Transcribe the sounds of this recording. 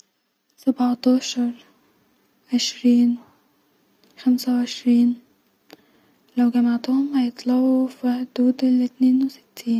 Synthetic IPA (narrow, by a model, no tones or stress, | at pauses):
sabʕɑt̪ɑːʃɑɾˤ | ʕeʃɾiːn | xamsawʕeʃɾiːn | lawɡæmaʕt̪ʊhʊmhajet̪ˤlɑʕufiħd̪uːd̪ɪlɪt̪neːnwɪsɪ̥t̪ʰːiːn